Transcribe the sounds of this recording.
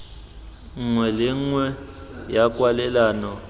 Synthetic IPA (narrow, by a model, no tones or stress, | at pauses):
ŋ͡ǀwɛlɪŋwɛjakʼwalɛlaːnɔ